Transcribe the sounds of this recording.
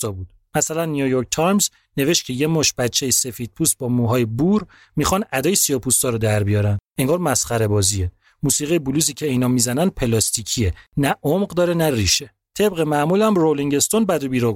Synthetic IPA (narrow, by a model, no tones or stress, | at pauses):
ɒbud̪̥mæsælænːijujoɾk̚t̪ʰɒjmz | ne̞ve̞ʃt̪̚cʰe̞je̞mɔːʃb̥æt̪t͡ʃʰːe̞jese̞fiːd̪̥̚pʰuːst̪̚bɒmuɦɒːjebuɾ | mixɒnʔæd̪ɒːjesijɒpʰust̪ɒːɾɔd̪æɾbijɒɾænd̪eŋɡɒːɾmæsχæɾe̞bɒːzie | muːsiːɣijebuluːsiːcʰe̞iːnɒːmizænænd̪̚pʰe̞lɒːst̪ʰicʰienæʔomɢd̪ɒːɾenæriʃe | t̪ʰe̞bʁemæmuːlæmroliŋɟe̞st̪onbæd̪obiːɾɒ